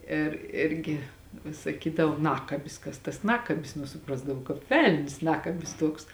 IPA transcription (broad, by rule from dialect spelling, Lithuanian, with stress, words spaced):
ɪr ˈɪrʲɡʲɪ ʋʲɪs sɐˈkʲiːdɐʋoː ˈnɑːkɐbʲɪs ˈkɐs tɐs ˈnɑːkɐbʲɪs ˈnʊ sʊˈprɑːzdɐʋɐʊ kɑːp ˈʋʲɛlʲnʲsʲ ˈnɑːkɐbʲɪs ˈtuɔks